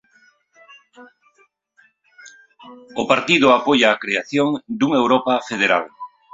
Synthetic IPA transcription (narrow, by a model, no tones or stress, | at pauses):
opaɾt̪iðʊapoʎaːkɾeaθjoŋd̪uŋewɾopafeðeɾa̰l